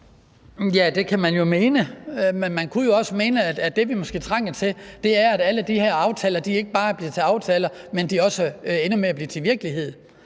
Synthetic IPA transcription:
jæd̥e̝kʰæmænjo̝me̝ːnəmenmænkʰujo̝ɒ̽səme̝ːnəæ̥æd̥e̝ʋimɒ̽sɡ̥e̝̰ːt͡sʰʁɑŋ̰ɐt͡sʰe̝ld̥e̝æɐæɾ̥æləd̥iheɐ̰ɑ̈ʊt͡sʰɛ̰ːlɐd̥ie̝ɡ̥əb̥ɑ̈ːb̥liːɐt͡sʰe̝lɑ̈ʊt͡sʰɛːlɐmend̥iɒ̽səenumeæb̥liːɐt͡sʰe̝ʋiɐɡ̥əliɦe̝ð̞̰ˠ

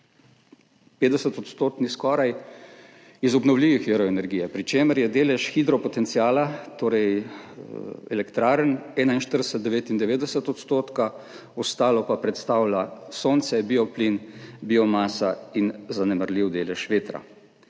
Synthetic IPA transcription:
peːt̪d̪ɛsət̪ɔt̪st̪oːt̪niskɔːɾaj | izɔbnɔwliːʋixiɾɔɛnɛɾɡijɛpɾit͡ʃeːməɾjɛd̪eːlɛʃxid̪ɾɔpɔt̪ɛnt̪siaːlat̪oːɾɛj | ɛ̰lɛkt̪ɾaːɾənɛːnainʃt̪əɾd̪ɛsəd̪d̪ɛʋeːt̪ind̪ɛʋeːd̪ɛsət̪ɔt̪st̪oːt̪ka | ɔst̪aːlɔpapɾɛt̪st̪aːwlasoːnt̪sɛbiɔplinbiːɔmaːsainzanɛmaɾlʲiwd̪eːlɛʃʋeːt̪ɾa̰

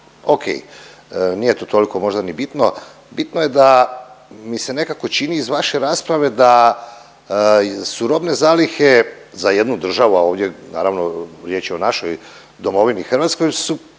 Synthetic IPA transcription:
okʰḛj | niːje̞t̪oːt̪o̞liko̞mo̞ʒd̪anibit̪no̞ | bit̪nojed̪a | mise̞ne̞kako̞t͡ʃiniːzʋaʃe̞ɾaːspɾaʋe̞d̪a | suɾo̞bne̞zaːlixe̞ | zaje̞d̪nud̪r̩ʒaʋuao̞ːʋd̪ʲjena̰ːɾaʋno̞ɾje̞ːt͡ʃjeo̞naʃoj | d̪o̞mo̞ʋinixr̩ʋaːt̪sko̞jsu

